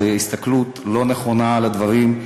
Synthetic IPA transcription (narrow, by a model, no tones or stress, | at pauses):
ist̪aklut̪lo̞neχo̞nalad̪vaʁim